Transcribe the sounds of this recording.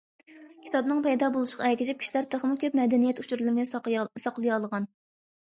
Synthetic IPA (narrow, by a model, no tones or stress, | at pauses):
kʲʰi̥t̪ɑbnɨŋpʰɛjd̪ɑbolˠuʃqɑɛkʲid͡ʒip̚kʲi̥ʃilæɾt̪ʰəχmukʲʰøpmɛd̪ɛnijɛt̪ut͡ʃʰuɾlˠɨnɪsɑqlˠɨjɑlˠəʁɑn